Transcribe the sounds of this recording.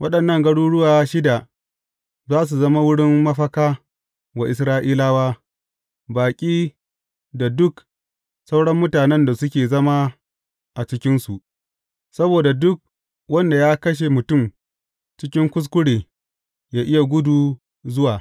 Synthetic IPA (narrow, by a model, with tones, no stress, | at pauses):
wʔɐ˦ɗɐ˨nːɐ˦˨ŋɡɐ˦ɽuː˦ɽʊ˦waː˨˦ʃɪ˦da˨ | zaː˦s̬u˨zɐ˦ma˦wʊ˦ɽɪ˦mːɐ˦ɸɐ˦kaː˦ | wa˨ʔɪ˨s̬ɾaː˦ʔiː˦laː˦waː˦ | baː˨kʲʼiː˦ | da˨dʊ˦k | sɐ˦wɽɐ˦mːʊ˦taː˨nɛ˦nda˨sʊ˦kʲeː˨zɐ˦ma˦ | ʔa˨t͡ʃɪ˦kʲɪ˦nsu˨ʔ | sɐ˦boː˨da˨dʊ˦k̚ | wɐ˦nda˨jaː˦kɐ˦ʃ̬e˨mʊ˨tʊ˦˨m | t͡ʃɪ˦kʲɪ˦ŋkʷʊ˦s̬kʷʊ˦ɽeː˨ | jaː˦ʔɪ˦ja˨ɡʷʊ˦duː˨ | zʊ˦waː˨